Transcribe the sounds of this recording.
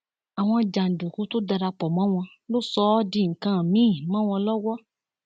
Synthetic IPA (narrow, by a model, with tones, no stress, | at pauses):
a˨w̃ɔ̃˧d͡ʒa˨n̩˨du˨ku˨˦to˦da˧ɾa˧k͡pɔ˨mã˨˦w̃ɔ̃˧ | lo˦sɔ˦di˧˦˨ŋ̩˨kã˨˦˨mĩ˨˦˨mã˦w̃ɔ̃˧lɔ˦wɔ˦